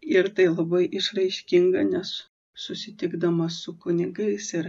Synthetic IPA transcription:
ɪɾt̪ɐɪlˠɐbɐɪʔɪʃrɐɪʃʲkʲiŋɡɐnʲɛs | sʊsʲɪt̪ʲɪɡd̪ɐmɐsʊkʊnʲɪɡɐɪsɪr

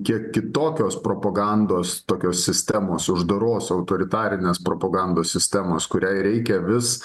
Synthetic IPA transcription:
kʲiɛkkʲɪt̪oːkʲoːspɾoːpɐɡɐnd̪oːst̪oːkʲoːssʲɪsʲt̪ʲæmoːsʊʒd̪ɐɾoːsɐʊt̪oːɾʲɪt̪ɑːɾʲɪnʲeːspɾoːpɐɡɐnd̪oːsʲsʲɪsʲt̪ʲɛmoːskʊɾʲæɪɾʲɛɪkʲɛʋʲɪs

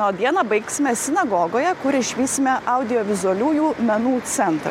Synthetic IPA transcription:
oːd̪ʲiɛnɐbɐɪksʲɪmʲɛsʲɪnɐɡoːɡoːjɛkʊɾɪʃʲʋʲiːsʲɪmʲɛʔɐʊd̪ʲɪjoːʋʲɪzʊɐlʲuːjuːmʲɛnuːt̪sʲɛnt̪ɾɐ̰

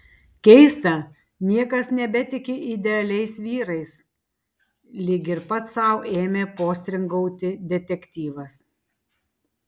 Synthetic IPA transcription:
kʲɛɪst̪ɐ | nʲiɛkɐsnʲɛbʲɛt̪ʲɪkʲɪʔɪd̪ʲɛɐlʲɛɪsʋʲiːɾɐɪs | lʲɪɡʲɪɾpɐt̪sɐˑʊʔeːmʲeːpoːsʲt̪ʲɾʲɪŋɡɔʊt̪ʲɪd̪ʲɛt̪ʲɛkt̪ʲiːʋɐs

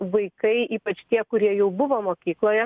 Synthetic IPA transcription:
ʋɐɪkɐɪiːpɐt͡ʃt̪ʲiɛkʊɾʲiɛjɛʊbʊʋoːmoːkʲiːklˠoːjɛ

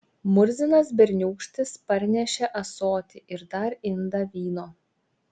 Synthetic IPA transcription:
mʊɾʲzʲɪnɐs̬bʲɛɾʲnʲuːkʃʲt̪ʲɪspɐɾʲnʲɛʃʲɛʔɐsoːt̪ʲɪʔɪɾd̪ɐɾɪnd̪ɐʋʲiːnoː

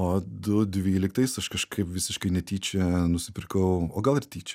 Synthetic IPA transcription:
oːd̪ʊd̪ʲʋʲiːlʲɪkt̪ɐɪsɐʃkɐʃkɐɪpʋʲɪsʲɪʃkɐɪnʲɛt̪ʲiːt͡ʃʲɛnʊsʲɪpʲɪɾkɐʊoːɡɐlˠɪrt̪ʲiːt͡ʃʲɛ

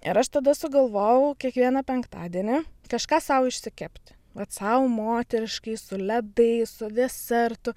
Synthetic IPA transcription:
ɪ̰ɾɐʃt̪ɐd̪ɐsʊɡɐlˠʋoːjɛʊkʲiɛkʋʲiɛnɐpʲɛŋkt̪ɑ̰ːd̪ʲiɛnʲɪkɐʃkɑːsɐʊɪʃʲsʲɪkʲɛpʲt̪ʲɪ̥ | ʋɐt̪sɐʊmoːt̪ʲɛɾʲɪʃkɐɪsʊlʲɛbɐɪsʊd̪ʲɛsʲɛrt̪ʊ

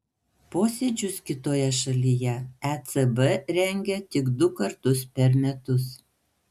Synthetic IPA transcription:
poːsʲed͡ʒʲʊskʲɪt̪oːjɛʃɐlʲijɛæt̪sɛbɛɾʲɛŋʲɡʲɛt̪ʲɪkd̪ʊkɐɾt̪ʊspʲɛɾmʲɛt̪ʊs

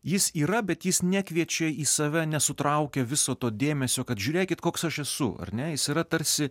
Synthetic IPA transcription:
jɪsiːɾɐbʲɛt̪jɪsnʲækʋʲiɛt͡ʃʲɛiːsɐʋʲɛnʲɛsʊt̪ɾɐʊkʲɛʋʲɪsoːt̪oːd̪ʲeːmʲɛsʲoːkɐt̪ʒʲuːɾʲeːkʲɪt̪̚koːksɐʃɛsʊ̰ɐ̰ɾʲnʲɛjɪsiːɾɐt̪ɐɾʲsʲɪ

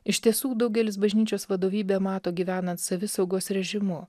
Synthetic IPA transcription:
ɪʃʲt̪ʲiɛsuːd̪ɐʊɡʲɛlʲɪs̬bɐʒʲnʲiːt͡ʃʲoːsʋɐd̪oːʋʲiːbʲeːmɑːt̪oːɡʲiːʋʲæːnɐnt̪sɐʋʲɪsɐʊɡoːsɾʲɛʒʲɪmʊ

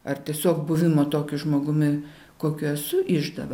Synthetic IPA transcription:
ɐrt̪ʲiɛsʲoːkbʊʋʲɪmoːt̪oːkʲɪʒmoːɡʊmʲɪ | koːkʲʊɛsʊʔɪʒd̪ɐ̰ʋɐ

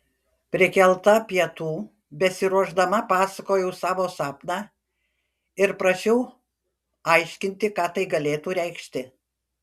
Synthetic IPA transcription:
pʲɾʲɪkʲɛlˠt̪ɐpʲiɛt̪uː | bʲɛsʲɪɾuɔʒd̪ɐmɐpɑːsɐkoːjɛʊsɑːʋoːsɑːpnɑː | ɪɾpɾɐʃʲɛʊ | ɐɪʃʲkʲɪnʲt̪ʲɪkɑːt̪ɐɪɡɐlʲeːt̪uːɾʲɛɪkʃʲt̪ʲɪ

